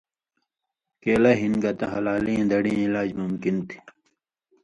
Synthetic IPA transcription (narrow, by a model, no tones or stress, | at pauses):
keːlɐɦinɡɐt̪ɐɦɐlaːliẽd̪ɐɽĩẽilaːd͡ʑmumkint̪ʰi̥